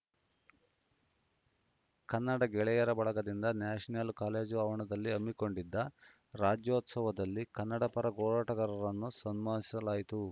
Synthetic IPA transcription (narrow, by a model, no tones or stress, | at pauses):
kɐnːɐɽɐɡɛɭɛjɐɾɐbɐɭɐɡɐd̪ind̪ɐnaːʂɐnɐlkaːle̞ːd͡ʒuɐʋɐɳɐd̪ɐlːiɐmːiko̞ɳɖid̪ːɐ | ɾaːd͡ʒjoːt̪sɐʋɐd̪ɐlːikɐnːɐɽɐpɐɾɐɡoːɭaːʈɐɡɐɾɐɾɐnːusɐnmaːsi̥sɐlaːjit̪u